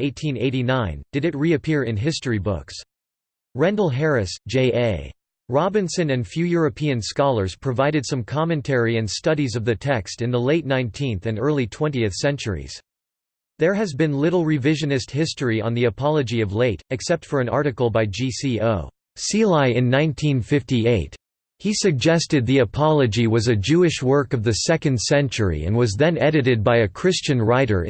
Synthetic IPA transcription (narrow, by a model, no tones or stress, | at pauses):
eɪtʰĩneɪɾinãɪ̃nd̥ɨɾɨt̚ɹiɨpʰɪɹɨ̃nɦɪstibʊ̰ks | ɹɛ̃ndl̩ˠɦɛɹɨsd̥ʒ̥eɪʔeɪ | ɹɑbɨ̃nsɨ̃nɨ̃nfjʉjʊɹɨpʰiɨ̃nskɑlˠə˞z̥pʰɹ̥ɨvaɪɾɨd̥sʌ̃mkʰɑmɨ̃ntʰɛɹiɨ̃nstʌɾizʌvðɨtʰɛkstɨ̃nðəleɪtⁿnãɪ̃ntʰĩnθɨ̃nɜ˞lˠitʰw̥ɛ̃ntiɨθsɛ̃nt͡ʃə̰˞ḭz̥ | ðə˞ɨzbɨ̃nlɪɾl̩ˠɹɨvɪʒɨ̃nɨst̚hɪstɹiə̰̃nðiɨpʰɑlˠɨd͡ʒiʌvleɪɾɨksɛp̚tfə˞ɨ̃nɑ̰ɹɾɨkl̩ˠbaɪd͡ʒisioʊ | silaɪɨ̃nːãɪ̃ntʰĩnfɪftieɪt̚ | hisɨɡ̚d͡ʒɛstɨd̪̚ðiɨpʰɑlˠɨd͡ʒiwʌzɨd͡ʒʉɨʃwɜ˞kʌvðɨsɛkɨ̃nd̥sɛ̃nt͡ʃə˞ḭɨ̰̃nwʌzðɨ̃nɛɾɨɾɨd̚baɪɨkʰɹ̥ɪst͡ʃɨ̃nɹaɪɾə̰˞